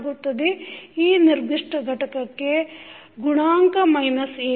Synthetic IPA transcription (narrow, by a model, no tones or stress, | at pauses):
ɡut̪ːɐd̪eiːniɾd̪iʂʈɐɡʱɐʈɐkɐkːe | ɡuɳaːŋkɐmɐjnɐseː